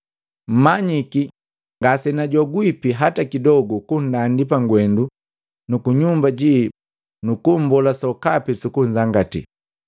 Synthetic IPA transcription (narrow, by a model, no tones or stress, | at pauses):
m̩maɲiki | ŋɡasɛnaɟɔɡwipiɦatakidɔɡɔkun̩dandip̬aŋɡwɛndu | nukuɲumbaɟi | nukum̩bɔlasɔkapisukuɲzaŋɡatḭ